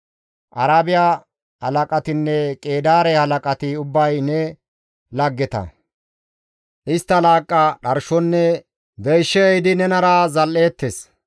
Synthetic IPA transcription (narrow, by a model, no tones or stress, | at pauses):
ʔɐɾaːbɪja | hɐlɐkʼɐt̪ɪnːɛkʼeːd̪aːɾɛhɐlɐkʼɐt̪ɪʊbːɐjnɛ | lɐɡːɛt̪ɐ̰ | ʔɪst̪ːɐlaːkʼːaɗɐɾʃɔnːɛ | b̪ɛjʃːɛjd̪ɪnɛnɐɾazɐlːe̞ːt̪ːes